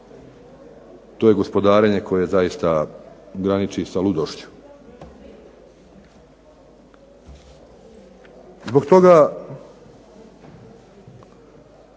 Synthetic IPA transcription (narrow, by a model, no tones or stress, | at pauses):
t̪oːje̞ɡo̞spo̞d̪aːɾe̞ɲe̞kʰo̞jezajist̪aɡɾanit͡ʃisalud̪oʃt͡ɕu̥ | zbo̞ɡt̪o̞ɡa